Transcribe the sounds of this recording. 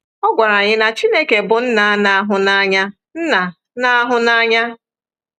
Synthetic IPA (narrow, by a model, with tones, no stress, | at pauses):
ɔ˦ɡʷa˨ɾa˨ɲɪ˦na˨t͡ʃi˦ne˦ke˨bʊ˨n̩˦na˨a˦na˨a˦ɦʊ˨na˦ɲa˦ | n̩˦na˨ | na˦a˦ɦʊ˨na˦ɲa˦